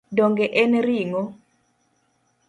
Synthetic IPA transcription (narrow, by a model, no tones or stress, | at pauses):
doŋɡeʔɛnɾiŋɔ